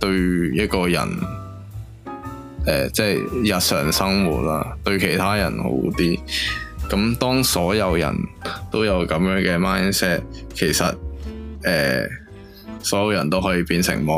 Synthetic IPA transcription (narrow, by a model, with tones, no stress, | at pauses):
t̪ɵ˧ɥjɐ˥t̚kɔː˧jɐ̰˨˩n | ʔɛː˨t͡sɛ˥˩jjɐ˨t̚sœː˨ŋsɐ˥ŋwṵː˨˩t̚la̰ː˥t̪ɵ˧ɥkʰe˨˩jt̪ʰaː˥jɐ˨˩nho̰˨˧˥wt̪iː˥kɐ˨˥mt̪ɔː˥ŋsɔː˨˥jɐ˨˧wjɐ̰˨˩nt̪o˥wjɐ˨˧wkɐ˨˥mjœː˨˥ŋkɛː˧maː˥jnsɛː˥t̚kʰe˨˩jsɐ˨t̚ʔɛː˨ | sɔː˨˥jɐ˨˧wjɐ˨˩nt̪o˥wɦɔː˨˥jiː˧piː˧nsɪ̰˨˩ŋmɔː˨˧